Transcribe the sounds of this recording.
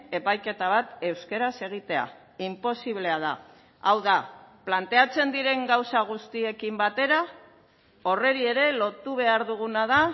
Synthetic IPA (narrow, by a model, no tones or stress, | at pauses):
e̞pajke̞t̪aβ̞at̪e̞wske̞ɾase̞ɣ̞it̪e̞a̰ | impo̞siβ̞le̞að̞a̰ | awðaplant̪e̞at͡se̞nd̪iɾe̞ŋɡawsaɣ̞ust̪ie̞kimbat̪e̞ɾa | o̞re̞ɾie̞ɾe̞lo̞t̪uβ̞e̞aɾðuɣ̞unað̞a